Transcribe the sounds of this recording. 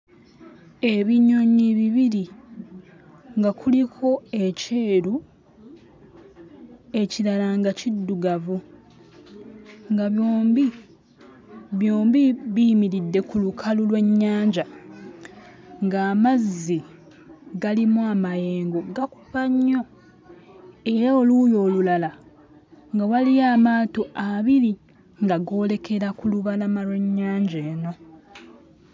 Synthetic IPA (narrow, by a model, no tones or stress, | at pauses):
e̞βiɲoɲiβiβiɾi | ŋɡakulikʰo̞e̞ce̞ːɾu | e̞cilalaŋɡacidːuɡavu | ŋɡaβjoːmbi | βjo̞ːmbiβimiɾidːe̞kulukʰalulwe̞ɲːaːɲɟa | ŋɡaːmazːi | ɡalimuamajeːŋɡo̞ɡaku̥paɲːo̞ | e̞ɾaolujo̞ːlulala | ŋɡawalijaːmaːtoʔaβiɾi | ŋɡaɡo̞ːle̞kʰe̞ɾakuluβalamalwe̞ɲːaːɲɟeːno̞